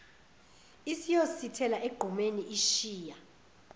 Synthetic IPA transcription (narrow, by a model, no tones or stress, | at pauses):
isijositʰɛlaʔeɡ͡ǃ̥ʱumeniʔiʃiːja